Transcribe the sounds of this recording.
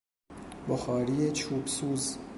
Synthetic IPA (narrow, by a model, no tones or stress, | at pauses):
boxɑːɾiːet͡ʃʰuːbsuːz